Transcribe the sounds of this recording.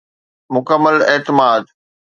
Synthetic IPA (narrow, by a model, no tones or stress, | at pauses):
mʊkəmːəleːt̪ɪmaːd̪